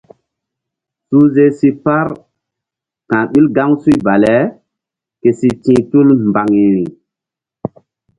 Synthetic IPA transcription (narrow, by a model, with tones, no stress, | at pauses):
su˦ze˦si˦pa˦ɾ | kã˨ɓi˦lɡa˦ŋsu˦i˦ba˨le˦ | ke˨si˦tĩː˦tu˦lmba˨ŋi˨ɾi˨